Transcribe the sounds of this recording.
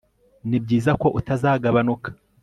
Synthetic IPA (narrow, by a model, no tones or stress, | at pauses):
nib̚ɟiːzako̞ʔutazaːɡaβanukḁ